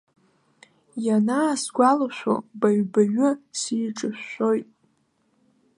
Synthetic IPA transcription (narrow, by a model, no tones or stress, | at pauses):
janaːsɡʷalaʃʷo̰baɥbaɥʊsiːʈ͡ʂʼɨʃːʷojtʼ